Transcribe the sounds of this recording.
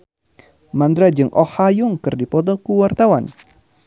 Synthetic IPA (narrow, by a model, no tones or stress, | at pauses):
mand̪ɾad͡ʒɨŋʔɔhajʊŋkɨrdipɔt̪ɔkuwart̪awan